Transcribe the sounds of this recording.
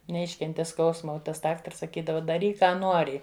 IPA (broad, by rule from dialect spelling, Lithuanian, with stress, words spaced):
nʲɛˈɪʃʲkʲɛnʲtʲɪ ˈskɐʊsmɐ oː ˈtɐs ˈdɑːktɐrs sɐˈkʲiːdɐʋɐ dɐˈrʲiːk ˈkɑː ˈnuɔrʲɪ